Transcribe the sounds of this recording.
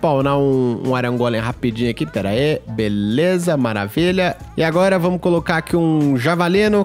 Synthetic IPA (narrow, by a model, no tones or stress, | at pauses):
pawnaũṵ̃aɾɐ̃ŋɡolẽɦapid͡ʒĩɲʊakit̪ɛɾɐ̰ebelezɐmaɾa̰viʎɐ | ɪaɡɔɾɐvɐ̃mʊkolokaɾakʰiũʒavalĩnʊ